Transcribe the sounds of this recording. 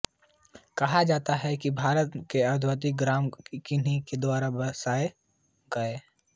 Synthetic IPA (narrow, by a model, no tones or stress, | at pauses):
kɐɦad͡ʒaːt̪aɦɛkibʱaːɾət̪keɐd̪ʱwət̪̬ɪk̚ɡɾaːmkɪniked̪waːɾabɐsaːe | ɡɐeː